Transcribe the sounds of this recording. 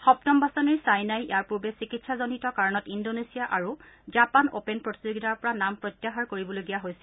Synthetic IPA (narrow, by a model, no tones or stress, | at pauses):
xɔptɔmbasɔniɹsajnajḭjaɹpuɹbɛsikitsʰazonitɔkaɹɔnɔtindonesijaʔaɹuzapano̰penpɹoti̥suɡitaɹpɔɹanampɹɔjtːjaxaɹkoɹibɔloɡijaɦojsɛ̥